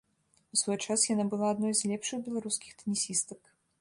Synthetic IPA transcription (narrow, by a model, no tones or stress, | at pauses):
usvɔjt͡ʂasjanabɨlˠaːd̪nɔjzlʲɛpʂɨxbʲɛlˠaɾuskʲixt̪ɐnʲisʲist̪ɐk